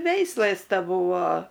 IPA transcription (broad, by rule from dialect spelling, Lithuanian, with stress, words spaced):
ˈʋʲɛɪslˠɘs tʲɛˈbuːʋoː